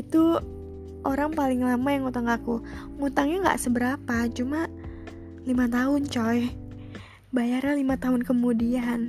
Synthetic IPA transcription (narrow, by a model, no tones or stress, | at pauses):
it̪u | ʔoɾaŋpalɪŋlamajaŋut̪aŋaku | ŋut̪aŋɲaŋɡa̰ʔsəbəɾapat͡ʃumaʔ | limat̪aɦʊnt͡ʃɔj | bajarɲalimat̪aɦʊnkəmudian